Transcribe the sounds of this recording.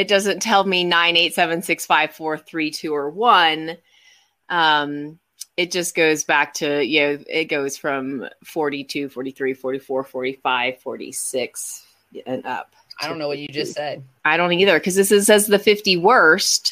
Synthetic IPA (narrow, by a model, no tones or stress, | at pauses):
ɨt̚d̥ʌzɨ̃ntʰɛlˠminãɪ̃neɪtsɛvɨ̃nsɪksfaɪv̥fɔɹθɹitʰʉə˞wʌ̃n | ʔʌ̃m | ɨt̚d̥ʒ̥ʌsɡ̥oʊzbæk̚tʰɨjɨnoʊɪ̰t̚ɡ̥oʊz̥fɹʌ̃mfɔɹɾitʰʉfɔɹɾiθɹifɔɹɾifɔɹfɔɹɾifaɪv̥fɔ̰ɹɾḭsɪks | ɨ̃nʌ̰p̚ | aɪɾõʊ̃nːoʊwʌt͡ʃɨd͡ʒʌssɛd̥̚ | aɪɾõʊ̃niðə˞kʰʌzðɨs̬ɨzɨzðɨfɪftiwɜ˞st